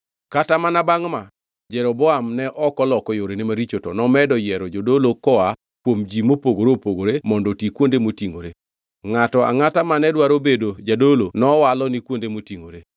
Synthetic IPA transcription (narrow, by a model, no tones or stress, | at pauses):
katamanabaŋma | d͡ʒɛɾɔbɔamnɛʔɔkɔlɔkɔjoɾenɪmaɾit͡ʃotɔnɔmɛdɔjɛɾɔd͡ʒodolokɔa | kwomd͡ʒimopoɡoɾopoɡoɾemɔndɔtikwondemotiŋɡoɾe | ŋatɔa̰ŋatamanɛdwaɾobedod͡ʒadolonɔwalɔnikwondemotiŋɡoɾe